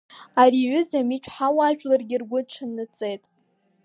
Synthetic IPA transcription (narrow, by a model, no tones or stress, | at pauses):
ariʕʏzamit͡ʃʷʰʼħawaʒᶣʷʼlarɡʲɪrɡʷʊʈ͡ʂʰanːɨt͡sʼe̞jtʼ